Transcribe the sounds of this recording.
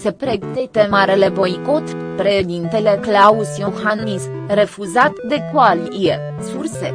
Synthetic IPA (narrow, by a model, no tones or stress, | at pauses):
sepɾeɡt̪et̪emaɾelebojkot̪pɾed̪int̪eleklausjoxannisrefuzat̪d̪ekwalje | sursḛ